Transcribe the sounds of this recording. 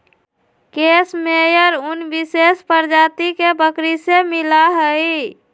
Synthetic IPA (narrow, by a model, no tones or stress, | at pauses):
keːsmejəɾʊnbɪseːspəɾd͡ʒaːt̪ikebəkɾisemɪlaɦəi